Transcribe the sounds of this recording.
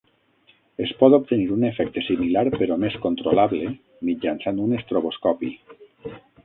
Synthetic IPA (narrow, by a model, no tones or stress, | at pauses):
espɔt̪op̚t̪eniɾunefɛk̚t̪esimilaɾpeɾɔmeskont̪ɾolaβle | mid͡ʒansand̪unest̪ɾoβoskɔpḭ